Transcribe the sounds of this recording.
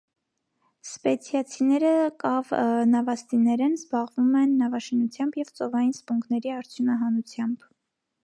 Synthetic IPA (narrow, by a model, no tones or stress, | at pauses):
spɛt͡sʰjɑt͡sʰinɛɾəkɑvnɑvɑst̪inɛɾɛnzbɑʁvumɛnːɑvɑʃinut͡sʰjɑmbjɛvt͡sɔvɑjinspuŋɡnɛɾiɑɾt͡sʰjunɑɦɑnut͡sʰjɑmb̥